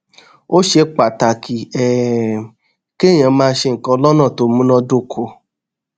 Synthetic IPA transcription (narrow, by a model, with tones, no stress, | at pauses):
o˦ʃe˧k͡pa˨ta˨kʰi˨ɛ˨ | ke˦˨j̃ã˨˦mãː˧˦ʃe˧˨ŋ̩˨kɔ̃˧lɔ˦nã˦˨to˨˦mũ˦nɔ̃˧do˧kʰo˧˨